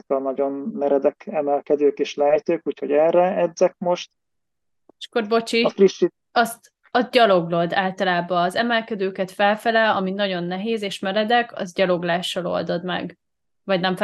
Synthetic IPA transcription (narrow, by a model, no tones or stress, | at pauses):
kɒnɒɟo̞nmɛɾɛd̪ɛkɛmɛlkɛd̪øːkeʃlɛɦɛt̪øːkuːcho̞ɟɛrɛɛd̪zɛk̚mo̞ʃt̪ | ʃkorbo̞t͡ʃifriʃːi | ɒst̪ | ɒzɟɒlo̞ɡlo̞d̪aːlt̪ɒlaːbɒːzɛmɛlkɛd̪øːkɛt̪fɛlfɛlɛlɒminɒɟo̞nːɛɦeːzeːʃmɛɾɛd̪ɛkɒ̰zɟɒlo̞ɡlaːʃːɒlo̞̰ld̪o̞d̪mɛ̰ɡ | vɒɟnɛmf